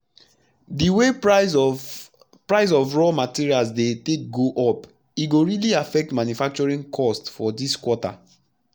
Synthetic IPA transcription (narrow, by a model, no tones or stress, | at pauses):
diwe | pɹaɪs̬ɔvɹɔmatiɹialsdetek̚ɡoʔɔp | iɡoɹiliafɛk̚tmãnjufak̚t͡ʃɔɹĩnkʰɔstfɔdiskwɔta̰